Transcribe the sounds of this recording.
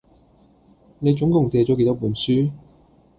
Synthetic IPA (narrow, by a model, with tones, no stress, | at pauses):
ne˨˧jt͡sʊ˨˥ŋkʊ˨˩ŋt͡sɛː˧t͡ʃɔː˨˥ke˧jt̪ɔː˥puː˨˩nsyː˥